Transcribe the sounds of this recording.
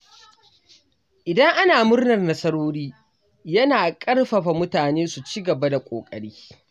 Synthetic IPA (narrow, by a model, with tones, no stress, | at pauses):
ʔɪ˨dɐ˦ŋʔa˦naː˨mʊ˦rnɐ˨rnɐ˦sɐ˦ɽoː˦ɽiː˦ | jɐ˦naː˨kʼɐ˦rɸɐ˨ɸa˨mʊ˦taː˨neː˦su˨t͡ʃiː˦ɡɐ˨ba˦da˨kʷʼo̰ː˨kʼɐ̰˨ɽiː˦